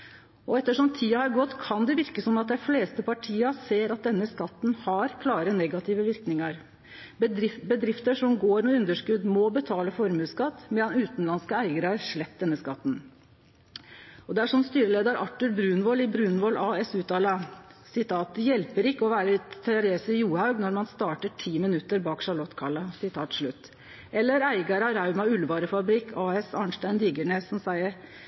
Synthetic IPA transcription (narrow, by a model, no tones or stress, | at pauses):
ɔɛt̪ːəʂɔmt̪ʰiːəhɑɾɡɔt̪ːkʰɑnd̪ɛʋɪɾkəsɔmɑt̪̚d̪ɛɪfleːst̪əpɑʈʰiːɑseːɾɑt̪̚d̪ɛnːəskɑt̪ːn̩hɑɾkʰlɑːɾənɛɡɑt̪ʰɪʋəʋɪɾknɪŋɑɾ | bəd̪ɾɪft̪əʂɔmɡoːɾmɛʉnd̪əʂkʉd̪mɔbət̪ʰɑːləfɔɾmʉːskɑt̪ːmɛd̪ɑnʉːt̪n̩lɑnskəæɪɡəɾəhæɾʂɭɛp̚ːd̪ɛnːəskɑt̪ːn | ɔd̪ɛæʂɔmst̪yːɾəleːd̪ɑɾʔɑʈːʉlbɾʉːnʋɔlɪbɾʉːnʋɔlʔɑːɛsʉːt̪ʰɑːlɑsɪt̪ʰɑːt̪̚jɛlpəɾɪkːəɔʋæːɾət̪ʰɛɾeːsəjuːhɑʉɡnɔɾmɑnst̪ɑːʈəʈʰiːmɪnʉt̪ːəɾbɑːkʂɑɭɔt̪ːkʰɑlːɑsɪt̪ʰɑːt̪ʂɭʉt̪ː | ɛlːəɾæɪɡɑɾɑɾɑʉmɑʉlʋɑːɾəfɑbɾɪkːʰɑːɛsɑnʂʈæɪnd̪iːɡəɳeːsɔmsæɪəɾ